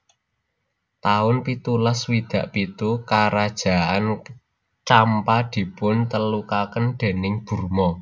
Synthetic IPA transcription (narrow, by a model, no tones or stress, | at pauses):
t̪aʊnpit̪ulaswid̪̥ä̤ʔpit̪ukaɾad̥ʒ̥a̤ʔan | t͡ʃampad̪̥i̤pʊnt̪əlukakənd̪̥e̤nɪŋb̥ṳrmɔ